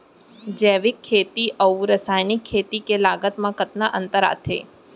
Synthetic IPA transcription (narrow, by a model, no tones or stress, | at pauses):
d͡ʒɛʋikʰːet̪iʔəũɾəsajnikʰːet̪ikelaɡət̪mãkət̪naʔənt̪əɾa̰t̪ʰḛ